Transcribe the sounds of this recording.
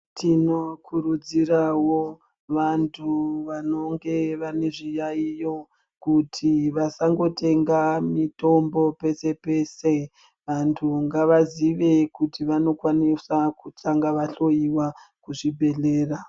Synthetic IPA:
tʰino̞kʰurud͡zirawo | ʋantʰuʋano̞ŋɡe̞ʋane̞ʐijaijo̞ | kutʰiʋasaŋɡo̞tʰe̞ŋɡamito̞mbo̞pe̞se̞pe̞se̞ | ʋantʰuŋɡaʋaziʋe̞kutiʋano̞kwanisakutaŋɡaʋaɬo̞iwakuʐibʱe̞ɬe̞ːra

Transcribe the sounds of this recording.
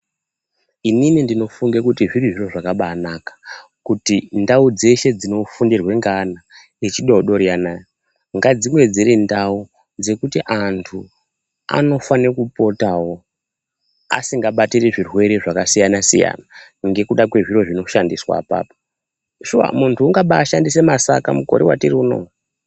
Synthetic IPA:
ininindino̞fuŋɡekutiʐiriʐiro̞ʐakaɓaːnaːkḁ | kutindaud͡ze̞ʃe̞d͡zino̞fundirwe̞ŋɡana | it͡ʃiɗooɗo̞ɾijanaːjo | ŋɡad͡zimwe̞d͡ziɾindau | d͡ze̞kutiʔantʰu | a̰no̞fanekupo̞tawo̞ | a̰siŋɡaɓatireʐirwe̞ɾeʐakasijanasḭja̰na | ŋɡe̞kuɗakwe̞ʐiro̞ʐino̞ʃandiswa̰pa̰ːpo | ʃuwa̰muntʰuːŋɡaɓaːʃandise̞masa̰ka̰muko̞̰ɾiwa̰tiriuno̞̰

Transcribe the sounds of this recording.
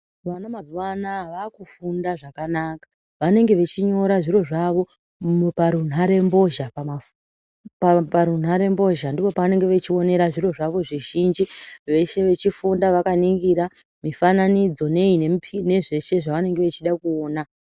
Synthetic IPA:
ʋanamazuwanaʋakufundaʐakanakḁ | ʋane̞ŋɡe̞ʋe̞t͡ʃiɲo̞ɾaʐiɾo̞ʐaʋo̞ | paɾun̤ɦaɾe̞mbo̞ʒapama | ppaɾun̤aɾe̞mbo̞ʒandipo̞paʋane̞ŋɡe̞ʋet͡ʃio̞ne̞ɾaʐiro̞ʐaʋo̞ʐiʒind͡ʒiʋe̞ʃe̞ʋe̞t͡ʃifundaʋakaniŋɡiɾa | mifananid͡zo̞ne̞inepne̞ʐe̞ʃe̞ʐaʋane̞ŋɡe̞ʋet͡ʃiɗakuoːna

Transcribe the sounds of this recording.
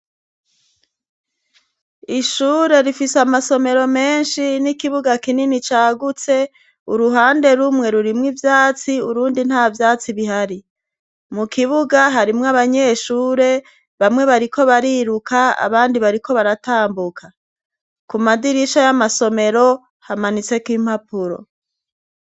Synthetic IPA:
iʃuːɾe̞ɾifiseamaso̞me̞ɾo̞me̞ːnʃinikiβuɡakininit͡ʃaːɡut͡se̞ | uɾuɦaːnde̞ɾumŋe̞ɾuɾimŋivjaːt͡siuɾuːndin̥havjaːt͡siβiɦaɾi | mukʰiβuɡaɦaɾimŋaβaɲe̞ʃuːɾe̞ | βamŋe̞βaɾikʰo̞βaɾiɾukaa̰βaːndiβaɾiko̞βaɾataːmbukʰa | kumadiɾiʃajamaso̞me̞ɾo̞ | hamanit͡se̞kwiːm̥hapuɾo̞̰

